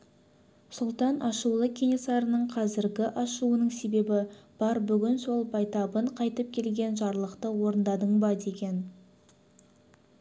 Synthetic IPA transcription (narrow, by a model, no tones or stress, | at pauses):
sʊlˠt̪ɑnʔɑʃulˠəkʲʰe̞nʲesɑɾənəɴqʰɑzɪɾɡʲɪʔɑʃuənəɴse̞be̞bɪb̥ɑɾbʏɡʲɪnso̞lˠbɑjt̪ɑbəɴqʰɑjt̪əp̚kʲʰe̞lɡʲe̞nʒɑɾlˠəqt̪əwo̞ɾənd̪ɑd̪əɴbɑd̪e̞ɡʲe̞n